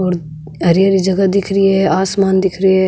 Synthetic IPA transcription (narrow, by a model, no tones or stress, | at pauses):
ɔːɾ | ɦɐɾjaɾid͡ʒɐɡad̪ɪkʰɾiɦɛaːsmaːnd̪ɪkʰɾiɦɛ